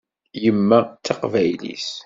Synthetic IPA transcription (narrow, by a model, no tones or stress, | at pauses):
jəmːæt͡sːɑqvæjlḭs